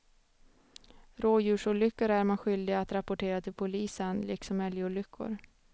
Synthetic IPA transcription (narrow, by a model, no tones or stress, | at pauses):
ɾoːjʉ̟ːʂʊɭʏkːəɾæɾmanɧʏld̪ɪɡaat̪ɾapʊʈʰeːɾat̪ʰɪlpʰʊliːsənlɪksɔmɛljuːɭʏkʰːʊ̰ɾ